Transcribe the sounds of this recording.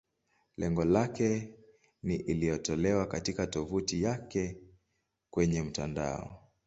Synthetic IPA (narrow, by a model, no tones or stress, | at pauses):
lɛŋɡɔlakɛ | niʔilijɔtɔlɛwakatikatɔvutijakɛ | kwɛɲɛm̩tanda̰ɔ̰